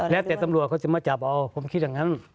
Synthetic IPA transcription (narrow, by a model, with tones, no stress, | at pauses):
lɛ˧˥˨t̪ɛː˨˩t̪a˧mlu˨˩ət̪̚kʰt͡ɕa˧˩maː˧˩t͡ɕa˨˩p̚ʔa˧wpʰo˧˦mkʰi˧˥t̚ja˧ŋa˧˥n